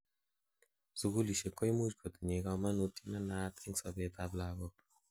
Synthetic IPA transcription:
z̥uɡuliʃɛkɔjmuʒɡɔt̪ɲɛɡamanut̪inanaːt̪insɔbet̪ablaːɡɔ

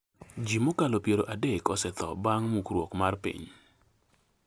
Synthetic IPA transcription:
d͡ʒimokalopjeɾoʔadekɔsɛt̪ɔ̰baŋmukɾwɔkmarpḭɲ

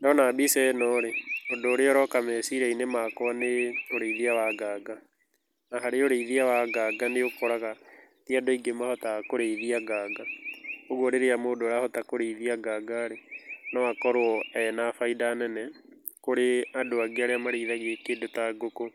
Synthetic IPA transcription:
ndɔnabisɛnɔɾeodoːɾeɔɾɔkamɛsiɾainemakɔaneoɾeiðiawaɡaɡa | naɦaɾeoɾeiðiawaɡaːɡaneokoɾaɣa | tiadoiɡemahɔtakoɾeiðiaɡaːɡaoɣwoɾeɾeamoːdoɾahɔtakoɾeiðiaɡaːɡaɾenawakɔɾoɔɛnafaidaːnɛnɛ | koɾeadoaɡeaɾeamaɾiːðaɣiekedotaɡoko

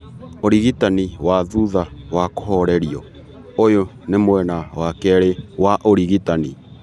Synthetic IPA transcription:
oɾiɣitaniwaðuðawakohɔɾɛɾiɔ | ojo | nemwɛnawakɛɾewaʔoɾiɣitanḭ

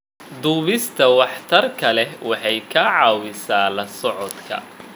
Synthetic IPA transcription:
d̪uːβɪst̪ʰɐwɑħt̪ʰɐrkʰɐlɛwʔɑħɑjkʰɐʕɑːwɪsaːlɐsɔʕɔd̪kʰɐ̰

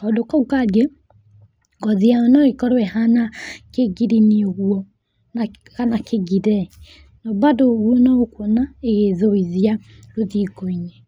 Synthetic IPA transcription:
ɔdokɔukaɡe | ɡɔðiaɔnɔɣekɔɾwɛhanakeɡiɾinioɣwɔ | na | ɣanakeɡiɾɛ | nɔbadoɣwɔnɔokwonaeɣeðoiðia | ɾoðiɡɔiɲɛ

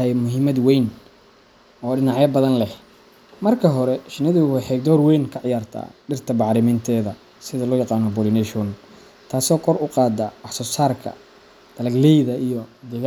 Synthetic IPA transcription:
ɐjmʊɦɪmɐd̪wɛjn | ɔːɖɪnɑʕjɐbɐðɐnlɛh | mɐrkʰɐɦɔɾɛʃɪnɐðɪɣʊwɛħɛɡ̚d̪ɔːrwɛjnkʰɐʕɪjaːrt̪ʰa̰ːɖɪrt̪ʰɐbɑʕɾɪmɪnt̪ʰɛːðɐ | sɪðɐlɔːjɑqɑːnɔbɔlɪnɛʃɔn | t̪ʰaːsɔːkʰɔrʊqɑːd̪ɐwɑħsɔːsaːrkʰɐ̰ | d̪̥ɐlɐɡlɛjðɐʔijɔd̪ɛɣ

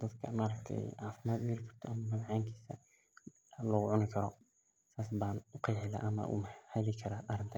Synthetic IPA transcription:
d̪̥ɐd̪kʰɐmaːɾɐkt̪ʰɛ̰jʕɑːfɪmaːd̪jɐɾɪkʰɐ̥r̥t̪ʰɔʔɐmɐmɐmʕaːŋkʰiːsɐ | lɔːɣʊʕʊnɪkʰɐɾɔ | saːs̬baːnʊqɑjħɪla̰ːʔɐmɐ̰ʔʊ̰mhalɪkʰɐɾaːʔɐɾɪnt̪ʰɐ

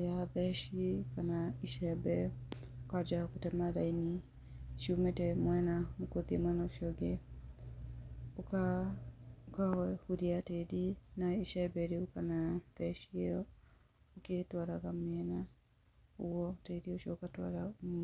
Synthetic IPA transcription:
jaðɛʃikanaiʃɛbɛ | kad͡ʒakotɛmaɾaini | ʃumɛtɛmwɛnamokoðiemwɛnaoʃiɔɡe | oka | okahuɾiatedinaiʃɛbɛɾeokanaðɛʃieɔ | oketwaɾaɣamɛna | uɔteɾioʃiɔokatwa̰ɾa

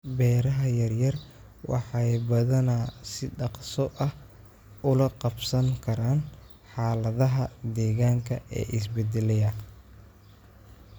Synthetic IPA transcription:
bɛːɾɐɦɐjɐrjɐr | wɑ̰ħɑjbɐðɐnɐsɪɖɑqsɔʔɐh | ʊlɐqɑbsɐŋkʰɐɾaːn | ħɑːlɐðɐɦɐd̪ɛːɣaːŋkʰɐʔɛ̰ːʔɪs̬bɛd̪ɛlɛjɐ

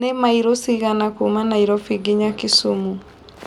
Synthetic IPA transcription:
nemaiɾosiɣanakumanaiɾɔfiɡiɲakisumu

